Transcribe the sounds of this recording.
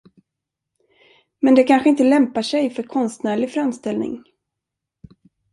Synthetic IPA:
mɛnd̪ɛkʰanɧəɪnt̪əlɛmpaʂɛjfœɾkʰɔnst̪næːɭɪfɾamst̪ɛlnɪ̰ŋ

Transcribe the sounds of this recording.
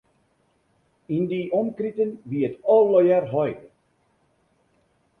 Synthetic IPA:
indiʔɔmkritənʋiətɔllɔjɛrɦɔj

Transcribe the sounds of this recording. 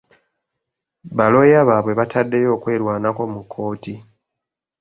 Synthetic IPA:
βalo̞jaβaβwe̞βatʰadːe̞jo̞ːkwe̞ːɾwaːnako̞mukʰːo̞ːti

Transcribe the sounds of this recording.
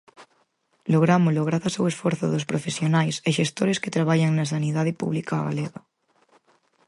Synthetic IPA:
loɣ̞ɾamoloɣ̞ɾaθasawesfoɾθoðospɾofesjonajseʃest̪oɾesket̪ɾaβaʎaŋnas̬aniðað̞ɪpṵβlikaɣa̰leɣa

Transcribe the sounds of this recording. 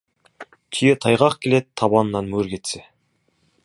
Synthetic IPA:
t̪ʰijet̪ʰɑjʁɑqkʲʰe̞let̪̚t̪ʰːɑbɑnnɑnmɵɾkʲʰe̞t̪se

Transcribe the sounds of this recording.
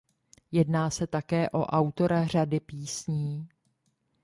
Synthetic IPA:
jɛdnaːsɛt̪akɛːʔo̞ʔawt̪o̞ɾar̝adɪpiːsɲiː

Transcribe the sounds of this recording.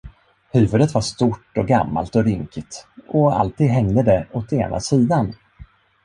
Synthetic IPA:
hʉ̟ːvɵd̪ət̪vaʂt̪uʈːɔɡamːa̰lt̪ɔɾʏŋkʰɪt̪ʔɔa̰lt̪iːd̪ɦɛŋd̪əd̪ɛɔt̪ḛːnʔa̰siːd̪an

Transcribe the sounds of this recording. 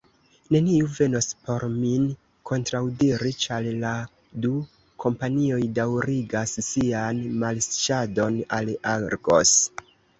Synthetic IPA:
ne̞niuve̞no̞spo̞ɾmin | ko̞ntɾawdiɾit͡ʃalla | du | kʰo̞mpanio̞jdawɾiɡasːianmalst͡ʃado̞nalaɾɡo̞̰s

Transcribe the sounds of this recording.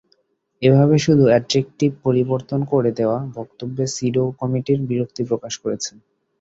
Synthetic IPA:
ebʱaβeʃud̪ʱuɛɖd͡ʑek̚ʈipoɾiboɾt̪onkoɾed̪eoabɔkt̪obːesiɖokɔmiʈiɾbiɾok̚t̪ipɾokaʃkoɾet͡ɕʰen

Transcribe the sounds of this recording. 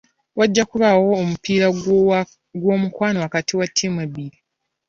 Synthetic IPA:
waɟːakuβawo̞ːmupiːɾa | ɡwo̞ːmukwaːnoakatiwatʰːimweβiɾi

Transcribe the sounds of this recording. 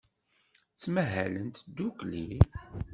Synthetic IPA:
t͡sːmæɦælənt̪d̪ːukli

